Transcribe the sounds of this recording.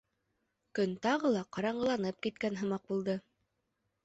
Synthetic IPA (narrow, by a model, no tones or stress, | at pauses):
kɵnt̪ɑʁɤlˠɑqɑɾɑɴɢɤ̆lˠɑnɤp̚kit̪kænɦɤ̆mɑq̚bulˠd̪ɤ